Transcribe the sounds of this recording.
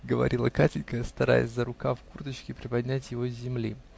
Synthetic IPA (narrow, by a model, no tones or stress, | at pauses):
ɡəvɐ̰ɾʲilˠəkatʲɪlʲkəst̪ɐɾa̰jə̰sʲzəɾʊkafkurt̪ət͡ɕkʲɪpɾʲɪpɐdʲnʲæt̬ʲjɪvo̞zʲːɪmlʲi